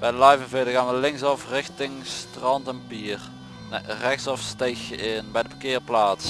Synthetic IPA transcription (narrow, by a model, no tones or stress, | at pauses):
b̥ɛjdəlɑjvənvɪdəɣaːnʋəlɪŋsɑfrɪxtɪŋstrɑntəmpir | rɛxtsɑfstejxɪnbɛjdəfəkɪːərplaːs